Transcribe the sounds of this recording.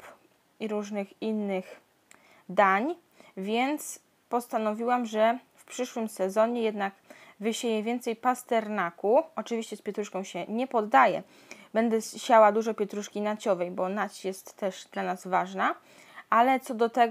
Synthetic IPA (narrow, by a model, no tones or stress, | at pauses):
p | iɾuʐnɘxinːɘx | d̪aɲ | vʲjɛnt̪s | pɔst̪anɔvʲiwamʐɛfpʂɘʂwɘmsɛzɔɲɛjɛd̪nakvɘɕɛjɛvʲjɛnt̪sɛjpast̪ɛɾnakuɔt͡ʂɨvʲiɕt͡ɕɛspʲjɛt̪ɾuʂkɔ̃w̃ɕɛɲɛpɔd̪ːajɛ̰ | bɛnd̪ɛɕawad̪uʐɔpʲjɛt̪ɾuʂkʲinat͡ɕɔvɛjbɔnat͡ɕjɛst̪ːɛʐd̪lanazvaʐna | ʔalɛt̪sɔd̪ɔt̪ɛɡ